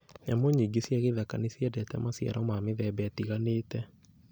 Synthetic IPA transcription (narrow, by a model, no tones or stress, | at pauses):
ɲamoɲiːɡesjaɣeðakanesjɛdɛtɛ̰masja̰ɾɔmameðɛbɛatiɣaneːtɛ